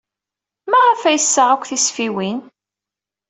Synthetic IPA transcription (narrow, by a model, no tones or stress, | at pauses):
mæʁəfæjəsːəʕakʷθisfiwin